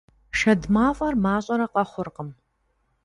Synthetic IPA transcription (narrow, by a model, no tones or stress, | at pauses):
ʃɐdmaːfʼɐrmaːɕʼɐɾɐqʼɐχʷʊrqəm